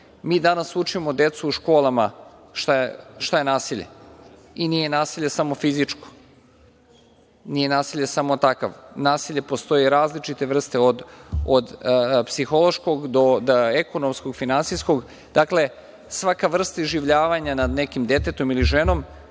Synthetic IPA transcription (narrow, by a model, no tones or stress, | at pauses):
miːd̪anasut͡ʂimo̞d̪e̞t̪suːʃko̞ːlˠama̰ʃt̪aeʃt̪aje̞naːsiʎḛ | inije̞naːsiʎesamo̞fizit͡ʂko̥ | nije̞naːsiʎesamo̞t̪aka̰ʋnaːsiʎʲepo̞st̪o̞jiɾaːzlit͡ʃit̪e̞ʋr̩st̪eod̪od̪psixo̞lˠo̞ʃko̞ɡd̪o̞d̪eko̞nomskoɡfinansisko̞ɡ | d̪̥akle̞ | sʋakaʋr̩st̪aiʒiʋʎaːʋaɲanad̪nekimd̪e̞t̪et̪o̞miliʒeno̞m